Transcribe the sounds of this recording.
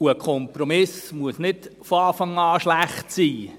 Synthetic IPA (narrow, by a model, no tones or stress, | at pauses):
uəkʰɔmpɾɔmɪsmuəsnɪtfɔɑːfɑŋɑːʃlæχtsiː